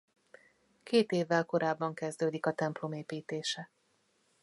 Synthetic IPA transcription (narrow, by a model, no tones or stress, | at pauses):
keːt̪eːvːɛlko̞ɾaːbːɒŋkɛzd̪øːd̪ikɒt̪ɛmplo̞meːpiːt̪eːʃɛ